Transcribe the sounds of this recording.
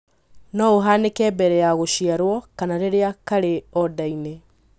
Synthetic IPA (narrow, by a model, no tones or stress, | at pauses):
nɔoɦanekɛːbɛɾɛjaɣoʃiaɾwɔkanaɾeɾeakaɾeɔdaine